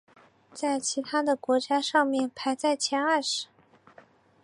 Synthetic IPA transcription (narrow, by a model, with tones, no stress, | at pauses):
t͡sa˥˩ɪt͡ɕʰi˧˥t̪ʰa˥d̪ə˨kwɔ˧˥t͡ɕja˥ʂɑ˥˧ŋmjɛ˥˩npʰa˧˥ɪt͡sa˥˩ɪt͡ɕʰjɛ˧˥na˥˧˩ʂɻ̩˧˥˦